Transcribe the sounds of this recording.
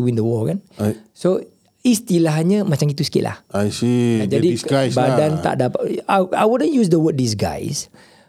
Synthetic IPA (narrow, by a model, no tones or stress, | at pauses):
uwĩndəwɔkɛnso | ist̪ilaɦɲəmat͡ʃaŋkit̪usə̥kḭʔla̰hasid͡ʒadibadant̪a̰ʔdapaaa̰jwudə̃njus̬dəwət̚dis̬ɡa̰js